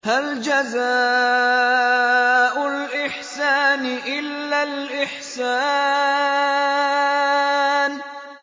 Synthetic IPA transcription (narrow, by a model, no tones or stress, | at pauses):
hald͡ʒazaː | ʔʊlʔɪħsaːnʔɪlːalʔɪħsaː | n